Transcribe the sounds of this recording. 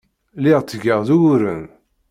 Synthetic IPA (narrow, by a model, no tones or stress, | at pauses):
lɪʁt͡s̪ːəɡəʁðuɾən